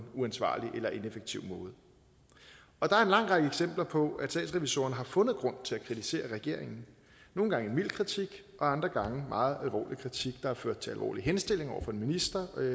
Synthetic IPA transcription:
nuænsʋɑ̰̈ːliʔelɐʔe̝nefeɡ̥̚t͡sʰiʊ̰mɔ̽ːð̞̩ˠ | ɒ̽d̥ɑ̈æɐe̝nlɑ̈ŋ̰ʁɑɡ̥əeɡ̥sem̰b̥lɐpʰɒ̽æ̥stɛ̰ːdsʁɛʋiso̝̰ːɐnəɦɑ̈fɔ̽nð̞̩ˠɡ̥ʁɔ̽n̰t͡sʰe̝lækʰʁit͡sʰise̝̰ːɐʁɛɡ̥e̝ɐ̰e̝ŋn̩ | no̝ːn̩ɡ̥ɑ̈ŋenmil̰̥kʰʁit͡sʰiɡ̥ | ʔɒ̽ɑ̈nd̥ʁɐɡ̥ɑ̈ŋəmʔɑ̈ːð̞̩ˠælʋɒ̰ːlikʰʁit͡sʰiɡ̥d̥ɑ̈æɐføɐ̰d̥̚t͡sʰe̝ælʋɒ̰ːliɦensd̥e̝l̰e̝ŋɒʊɐfɒ̽e̝nminisd̥ɐ

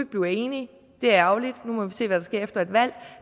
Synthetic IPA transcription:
ɡ̥̚b̥lie̝ːni | d̥e̝æɐɑ̈ʊlid̥numɒʋise̝̰ːʋæd̥ɑ̈sɡ̥e̝ɐ̰efd̥ɐe̝d̥ʋæl̰

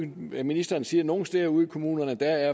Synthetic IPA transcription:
minisd̥ɐnsiːɐno̝ːn̩sd̥eɐuðˠikʰo̝mṵːnɐnəd̥ææɐ

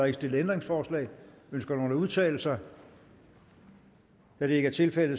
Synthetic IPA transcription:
e̝ɡ̥sd̥e̝lð̩ˠend̥ʁeŋsfɒːslɛ̰ː | ønsɡ̥ɐno̝ːləuðˠt͡sʰɛ̰ːl̩sɐ | d̥æɾ̥ee̝ɡ̥æɐt͡sʰe̝lfel̰ð̩ˠ

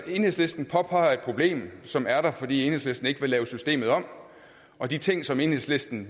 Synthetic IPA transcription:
e̝nhe̝̰sle̝sd̥n̩pʰɒ̽pʰɑ̈ɪɐed̥̚pʰʁo̝b̥le̝̰ːmsɒ̽mæɐɾ̥ɑ̈fɒdḭːe̝nhe̝sle̝sd̥n̩e̝ɡ̥əʋe̝lɛːʊsysd̥e̝̰ːmð̩ˠɒ̽m̰ | ɒ̽d̥it͡sʰe̝ŋ̰sɒ̽me̝nhelˠsle̝sd̥n̩

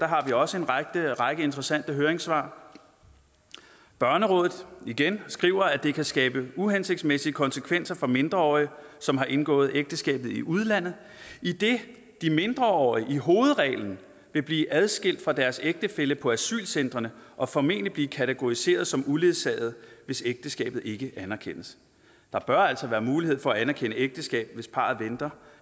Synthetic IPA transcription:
d̥ɑ̈ɦɑ̈ʋiɒ̽səe̝nʁ̥əʁɑ̈ɡ̥əe̝nd̥ʁɐsæn̰d̥əɦøːɐeŋsʋɑ̰̈ː | b̥ɶɐnəʁɔ̽ːðˠð̩ˠiɡ̥ensɡ̥ʁiʊɐæd̥e̝kʰæsɡ̥ɛːb̥əuɦense̝ɡ̥̚d̥smesiəkʰɒ̽nsəkʰʋen̰sɐfɒ̽me̝nd̥ʁɐɒ̰ːiəsɒ̽mɦɑ̈ʔe̝nɡ̥ɔ̰̽ːð̞̩ˠeɡ̥̚d̥əsɡ̥ɛ̰ːb̥ð̞̩ˠiʔuðˠlæn̰ð̩ˠ | id̥e̝ | d̥ime̝nd̥ʁɐɒ̰iʔiɦo̝ːð̞̩ˠʁɛ̰ːln̩ | ʋe̝b̥liːʔæð̞ˠsɡ̥e̝l̰d̥fʁɑ̈d̥æɐseɡ̥̚d̥əfeləpʰɒ̽æsy̰ːlsen̰d̥ʁɐnəʔɒ̽fɒme̝n̰lib̥liːkʰæt͡sʰeɡ̥o̝ise̝̰ːɐð̞̩ˠsɒ̽mule̝ðˠsɛ̰ːð̩ˠʋe̝seɡ̥̚d̥əsɡ̥ɛ̰ːb̥ð̩ˠe̝ɡ̥əʔænɐkʰen̰əs | d̥ɑ̈b̥ɶɐæl̰sɒ̽ʋæːɐmuːlihe̝ð̰ˠfɒ̽æænɐkʰen̰əeɡ̥̚d̥əsɡ̥ɛ̰ːb̥̚ʋe̝spʰɑ̰̈ːð̩ˠʋend̥ɐ

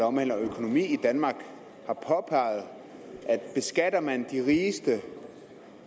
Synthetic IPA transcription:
ɒmæl̰ɐɒøkʰo̝no̝mḭːid̥ænmɑ̈ːɡ̥ | hɑ̈pʰɒ̽pʰɑ̈ɪð̩ˠ | ʔæd̥b̥e̝sɡ̥æd̥ɐmænd̥iʁiːsd̥ə

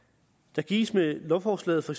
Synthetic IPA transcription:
d̥ɑ̈ɡ̥ḭːsmelɔfɒːslɛ̰ːð̩ˠfɒ̽eɡ̥s

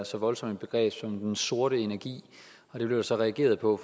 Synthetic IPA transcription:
sɒ̽ʋɒ̽lsɒ̽med̚b̥e̝ɡ̥ʁɛ̰ːb̥sɒ̽md̥enso̝ɐɾəe̝næɐɡ̥ḭː | ɒ̽d̥ɾeb̥le̝ʊd̥sɒ̽ʁɛæɡ̥e̝̰ːɐð̞ˠpʰɒ̽

